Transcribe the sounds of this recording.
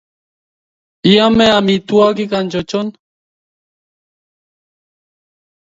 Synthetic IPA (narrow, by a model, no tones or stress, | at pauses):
iameamit̪uakikant͡ʃot͡ʃon